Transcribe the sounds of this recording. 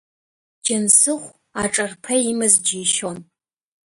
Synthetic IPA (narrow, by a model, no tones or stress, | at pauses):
d͡ʒɐnsɨχʷ | aʈ͡ʂʼɐrpʰɐimɨzd͡ʒiːʃon